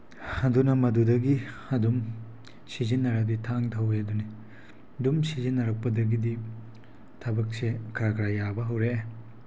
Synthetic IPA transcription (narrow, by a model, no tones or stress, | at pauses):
hɐdunɐmɐdudɐɡihɐdum | sizinːɐɾɐditʰaŋtʰɐwjaduni | dumsizinːɐɾɐk̚pɐdɐɡidi | tʰɐbɐk̚sekʰɾakʰɾajabɐɦɐwɾe